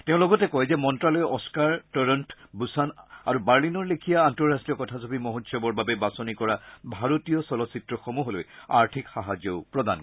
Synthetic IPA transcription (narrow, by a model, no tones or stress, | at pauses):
teʊ̃lɔɡɔtɛkɔjzɛmɔntɹalɔjʔɔskaɹtɔɹɔntbusana̰ɹubaɹlinɔɹlekʰijaːntɔɹastijɔkɔtʰazobimoɦotsjɔbɔɹbabɛbasonikɔɹabʱaɹotijɔsɔlɔsitɹɔxomuɦoloja̰ɹtʰikxaɦazjɔʊpɹɔda̰n